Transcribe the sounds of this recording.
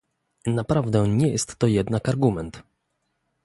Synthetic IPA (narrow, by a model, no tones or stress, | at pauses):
napɾavd̪ɛɲɛjɛst̪ːɔjɛd̪nakaɾɡumɛnt̪